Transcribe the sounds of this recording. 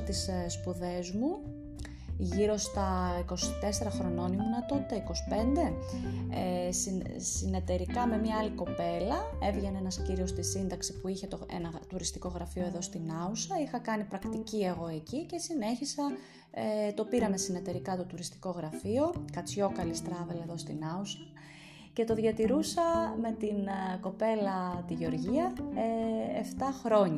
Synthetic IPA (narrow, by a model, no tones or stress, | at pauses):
t̪isspuðe̞zmu | ʝiɾo̞st̪ɐiko̞si̥t̪e̞se̞ɾɐxɾo̞no̞nimunɐt̪o̞t̪it̪ɐiko̞si̥pe̞nd̪e̞essine̞t̪e̞ɾikɐme̞mɲɐɐliko̞pe̞lɐe̞vʝenenɐsciɾio̞st̪isind̪ɐksipuiçe̞t̪oḛnɐt̪uɾist̪i̥ko̞ɣɾɐfio̞eðo̞st̪inɐusɐixɐkɐnipɾɐkt̪icie̞ɣo̞e̞cice̞sine̞çisɐ | et̪o̞piɾɐme̞sine̞t̪e̞ɾikɐt̪o̞t̪uɾist̪i̥ko̞ɣɾɐfio̞kɐt͡sço̞kɐlist̪ɾɐveleðo̞st̪inɐusɐ | ce̞t̪o̞ðʝɐt̪iɾusɐme̞t̪inko̞pe̞lɐt̪iʝeo̞ɾʝiɐeeft̪ɐxɾo̞ɲɐ